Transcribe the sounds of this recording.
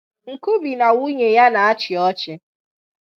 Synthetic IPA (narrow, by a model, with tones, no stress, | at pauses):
ŋ̩˨ku˦bi˨na˨wu˦ɲe˨ja˦na˨a˦t͡ʃɪ˨ɔ˦t͡ʃɪ˨